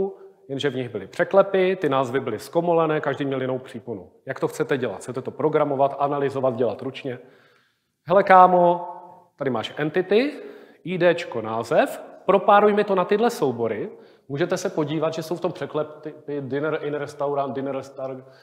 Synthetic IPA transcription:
jɛnʒɛvɲɪɣbɪlɪpr̥ɛklɛpɪt̪ɪnaːzvɪbɪlɪsko̞molɛnɛːkaʒdiːmɲɛljɪno̞wpr̝̥iːpunujakt̪o̞xt͡sɛt̪ɛɟɛla̰t̪xt͡sɛt̪ɛt̪opɾo̞ɡɾamo̞vat̪ʔanalɪzo̞vat̪̚ɟɛlat̪ɾut͡ʃɲɛ | ɦɛlɛkaːmo̞ | t̪adɪmaːʃʔɛnt̪ɪt̪ɪ | ʔiːdɛːt͡ʃkonaːzɛfpɾo̞paːɾujmɪt̪onat̪ɪdlɛso̞wbo̞ɾɪ | muːʒɛt̪ɛsɛpo̞ɟiːvad̪ʒɛso̞wft̪ompr̥ɛklɛpt̪ɪpɪdɪnɛɾʔɪnɾɛst̪awɾant̪dɪnɛɾɛst̪aɾ

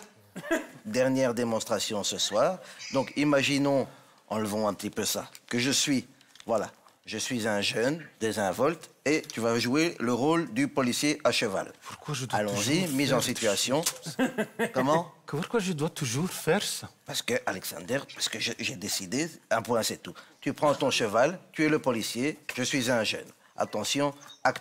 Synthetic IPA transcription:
d̪ɛʁnjɛʁd̪emɔ̃st̪χasjɔ̃səswaːʁd̪ɔ̃kimaʒinɔ̃ | ɑ̰̃ləvɑ̃ɛ̃pət̪ipøsa̰kəʒəsɥi | vwala | ʒəsɥizɛ̃ʒənd̪ezɛ̃vɔlt̪et̪yvaʒueləʁold̪ypɔlisjeʔaʃəva̰lpuʁkwaʒədalɔ̃zimizɑ̃sit̪yasjɔ̃ | kɔmɑ̃kpuʁkwaʒəd̪wat̪uʒuʁfɛʁsapaʁsə̥kəʔalɛksɑ̰̃d̪ɛʁpḁʁsə̥kəʒəʒɛd̪esid̪eɛ̃pwɛ̃sɛt̪ut̪ypχɑ̃t̪ɔ̃ʃəvalt̪yɛləpɔlisjeʒ̥əsɥizɛ̃ʒə̰n | a̰t̪ɑ̃sjɔ̃akt̪

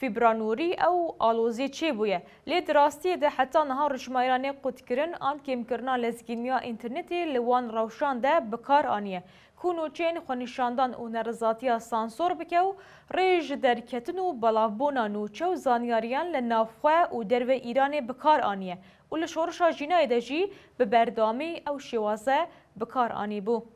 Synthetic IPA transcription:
fibɾɑːnuɾiːʔɛwʔɑːloːzet͡ʃʰeːbuːjɛ | leːd̪ɨrɑːst̪ijeːd̪ɛħat̪ːɑːnɨɦɑːrɨt͡ʃmɑːjɾɑːneqʊt̪kɨɾɨnɑːnkeːmkɨɾɨnɑːlɛzɡinijɑːʔint̪ʰɛɾnɛt̪elɨwɑːnrɛwʃɑːnd̪ɛbɨkʰɑːɾɑːnijɛ | kʰunut͡ʃʰɛjenxʷɛniʃɑːnd̪ɑːnṵnɛɾɨzɑːt̪ijɑːsɑːnsoɾbɨkɛw | reːʒɪd̪ɛɾkʰɛt̪ɨnubɑlɑːvbuːnɑːnuːt͡ʃʰɛwzɑːnijɑːɾijɑːnlɨnɑːvxʷɛʔud̪ɛɾvɛʔiːɾɑːnebɨkʰɑːɾɑːnijɛ | uːlɨʃoːrɨʃɑːʒiːnɑːjed̪ɛʒib̥ɨbɛɾd̪ɑːmiʔɛwʃeːwɑːzɛ | bɨkʰɑːɾʔɑ̰ːnibuː

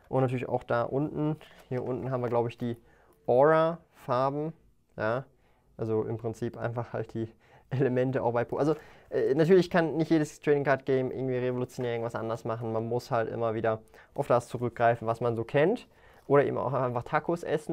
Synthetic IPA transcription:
ʔʊntnatʰyːɐlɪça̰ʊxd̥aːʔʊntn̩hiːɐʔʊntn̩ɦaːbm̩viɐɡlaʊbəɪçd̥iː | ʔɔʁa | faɐbm̩ | jaː | ʔalzoʔɪ̰mpʁ̥ɪnt͡siːpʔa̰ɪnfaχha̰lt̚d̥iː | ʔeləmɛntəa̰ʊxb̥aɪpʰoʔalzoʔɛːnatʰyːɐlɪçkʰanːɪçtjeːdəstʁ̥ɛɪnɪŋkʰaɐt̚ɡ̥ɛɪmʔɪ̰ɡŋ̩tv̥iːʁevolut͡sjonɛːɪŋtv̥asʔa̰ndɐsmaχn̩manmʊshaltʔɪ̰mɐviːdɐ | ʔaʊfd̥ast͡suʁʏk̚ɡ̥ʁaɪfn̩vasmanzoːkʰɛnt | ʔoːɾɐʔḛːbm̩a̰ʊxʔaʔaɪnfaχtʰakʰʊsʔɛ̰sn̩

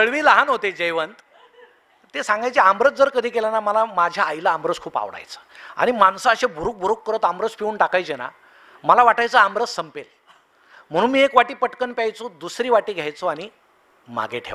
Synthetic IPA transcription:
t̪əɭʋiːləɦanɦot̪ed͡ʑəjʋənt̪ | t̪ːesãŋɡajt͡ɕeambɾət͡s̚d͡zəɾkəd̪ʱiːkelanaməlamad͡ʑʱjaːjlaːmbɾət͡skʰuːpa̰ʋɽa̰jt͡sə̥ːa̰ɽ̃imansaəɕebʱuɾuːk̚bʱuɾuːkːəɾət̪ambɾət͡spiuːnʈakajt͡ɕena̰ | məlaʋaʈajt͡səambɾət͡ssəmpel | m̤əɽ̃uːnmiːekʋaʈiːpəʈkənpjajt͡sod̪usɾiːʋaʈiːɡʱjajt͡soaɽ̃i | m̤a̰ɡeʈʰḛʋ

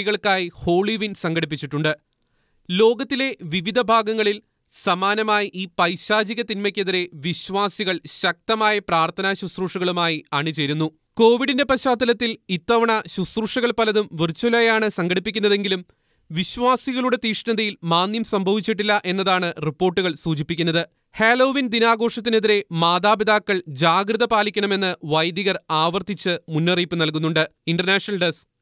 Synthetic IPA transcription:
ɣɐɭkaːjiho̞ːɭiʋinsɐŋɡɐɽip̬ːit͡ɕːiʈːuɳɖɨ | lo̞ːɡɐt̪ːile̞ʋiʋid̪ʱɐbʱaːɡɐŋːɐɭil | sɐmaːnɐmaːjiʔiːpɐjɕaːd͡ʑiɣɐt̪inmɐkʲːeðiɾe̞ʋiɕʋaːsiɣɐɭɕɐk̚t̪ɐmaːjɐpraːrt̪ʰɐnaːɕusruʂɐɣɐɭumaːjiɐɳit͡ɕe̞jɾunːu | ko̞ːʋiɽinde̞pɐɕaːd̪ːɐlɐt̪ːilit̪ːɐʋɐɳɐɕusruʂɐɣɐɭpɐlɐðumʋirt͡ɕːulɐjaːɳɨsɐŋɡɐɽipːikʲːunːɐðe̞ŋɡilum | ʋiɕʋaːsiɣɐɭuɽe̞t̪iːʂɳɐðɐjilmaːnːjɐmsɐmbʱɐʋit͡ɕːiʈːilːɐʔe̞nːɐðaːɳɨripːo̞ːrʈːuɣɐɭsuːd͡ʑipːikʲːunːɐðɨ | heːlo̞ːʋind̪inaːɡo̞ːʂɐt̪̬ːine̞ðiɾe̞maːd̪aːbid̪aːkːɐɭd͡ʑaːɡɾɨðɐpaːlikʲːɐɳɐme̞nːɨʋɐjd̪jiɣɐraːʋɐrt̪ʰit͡ɕːɨmunːɐriːpːɨnɐlkunːuɳɖɨiɳɖɐrnaːʂnɐlɖes

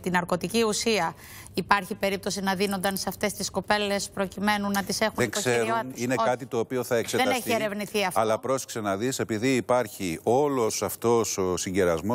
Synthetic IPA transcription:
t̪inɐɾko̞t̪iciusiɐ | ipɐɾçipe̞ɾip̚t̪o̞s̬inɐðino̞nd̪ɐnseɐft̪e̞st̪isko̞pe̞le̞spɾo̞cime̞nunːɐt̪ise̞xunðeksseɾoinekɐt̪it̪o̞ːpio̞θɐekseðet̪eçieɾe̞vniθiɐfɐlɐpɾo̞sksenɐðise̞piðiːpɐɾçio̞lo̞sɐft̪o̞sosiɲɟeɾɐzmo

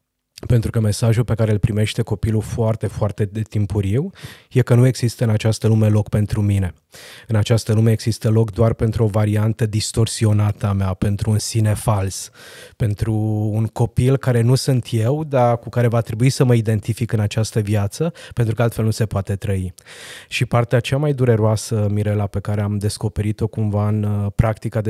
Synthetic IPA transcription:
pe̞nt̪ɾukəme̞saʒulpe̞kaɾelpɾime̞ʃt̪e̞ko̞pilufoart̪e̞foart̪e̞d̪et̪impuɾiwje̞kənue̞ɡz̥ist̪əɨnat͡ʃast̪əlume̞lo̞kpe̞nt̪ɾumine̞ | ɨnat͡ʃast̪əlume̞ːɡz̥ist̪əlo̞kd̪oarpe̞nt̪ɾuo̞vaɾiant̪əd̪ist̪o̞rsio̞nat̪əameape̞nt̪ɾuːnsine̞falspe̞nt̪ɾuːŋko̞pilkaɾe̞nusunt̪je̞wd̪akukaɾe̞vat̪ɾe̞buisəməid̪e̞nt̪ifikɨnat͡ʃast̪əvjat̪səpent̪ɾukəalt̪felnuse̞poat̪e̞t̪ɾəiʃipart̪eat͡ʃamajd̪uɾe̞ɾoasəmiɾe̞lape̞kaɾe̞amd̪e̞sko̞pe̞ɾit̪o̞kumvaɨnpɾak̚t̪ikad̪e

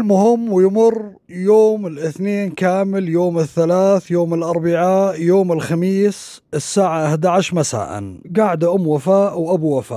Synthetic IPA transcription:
lmʊhɪmːwɪjmʊr | joːmɪlʔɪθneːnkaːmɪljoːmɪθːalaːθjoːmɪlʔɑɾˤbaʕajoːmɪlxamiːs | ɪsːaːʕaʔaħd̪aʕaʃmasa̰ːʔa̰nɡaːʕd̪ʔʊmːwafaːʔwʔabuwafa̰ː

